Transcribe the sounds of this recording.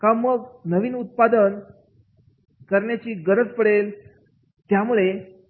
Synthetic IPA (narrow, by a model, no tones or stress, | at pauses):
kaməɡnəʋiːnut̪̚pad̪ən | kəɾɳjat͡ɕiːɡəɾət͡spəɽel | t̪jamuɭe